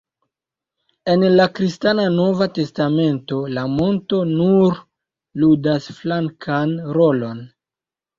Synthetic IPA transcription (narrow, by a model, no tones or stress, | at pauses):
e̞nlakɾistanano̞vate̞stame̞nto̞lamo̞nto̞nuɾ | ludasflaŋkʰanɾo̞lo̞n